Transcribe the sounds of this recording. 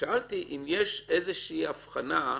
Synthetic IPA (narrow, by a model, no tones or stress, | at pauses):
aʔalt̪iʔimjeʃezeʃiiːafχana